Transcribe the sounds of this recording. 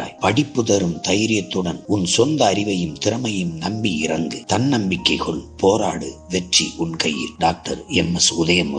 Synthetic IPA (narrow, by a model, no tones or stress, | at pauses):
pɐɽɪpːɯðɐɾɯmt̪ɐjɾɪjɐt̪ːɯɽɐnʊnsɔnd̪ɐːɾɪʋɐjɯmt̪ɪɾɐmɐjɯmnɐmbiɪɾɐŋɡɯt̪ɐnnɐmbɪkːɐɪɣɐɭpʰoːɾa̰ːɽɯʋɛʈriʊnkɐjɪ̰lɖaːk̚ʈɐɾɛmɛsʊðɐjɐmʊ